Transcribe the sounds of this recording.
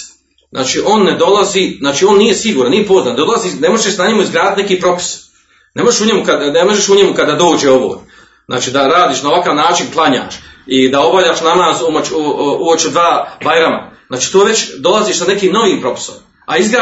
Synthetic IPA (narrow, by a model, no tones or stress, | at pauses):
zʔa̰ːt͡ʃiːʔo̞ːnːed̪o̞lˠaziːznaːt͡ʃiːo̞ːnːije̞siɡuːɾanːije̞po̞znaːnd̪olˠaziːnemoʒeesnaɲemuizɡɾaːd̪it̪nekiːpɾo̞pi̥s | ne̞moʒeʃuɲe̞mukad̪nemo̞ʒeʃuɲemukad̪ːad̪o̞ːd͡ʒeo̞ʋo̰ː | znʔa̰ːt͡ʃiːd̪aɾaːd̪iːʃnaoʋakaːʋnaːt͡ʃinklˠaɲa̰ːʃid̪ao̞baʎaːʃnamaːzumot͡ʃuot͡ʃud̪ʋaːbajɾama̰znaːt͡ʃiːt̪oːʋe̞t͡ɕd̪o̞lˠaziːʃsane̞kiːmno̞ʋiːmpɾo̞pi̥so̰m | a̰izɡɾa